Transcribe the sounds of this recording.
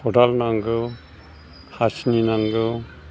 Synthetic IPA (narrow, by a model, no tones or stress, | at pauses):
hɔdalnaŋɡɯ | hasninaŋɡɯ